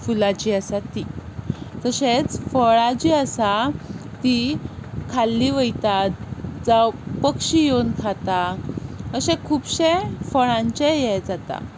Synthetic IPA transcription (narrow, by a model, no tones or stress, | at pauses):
fulat͡ɕiəsat̪i | t̪əɕet͡sfəɭad͡ʑiəsat̪ikʰalːiʋəjt̪at̪̚d͡zapəkɕijonkʰat̪a | əɕẽkʰuːbɕẽfəɭãɲt͡ɕẽjɛjd͡zat̪a̰